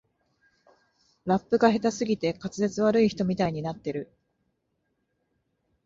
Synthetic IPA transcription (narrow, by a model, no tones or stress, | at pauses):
ɾapːɯ̟ɡaɦe̞t̪asɨɡʲit̪e̞kat͡sɨze̞t͡sɨβ̞aɾɯ̟içi̥t̪o̞mʲit̪aiɲ̟inat̪ːe̞ɾɯ̟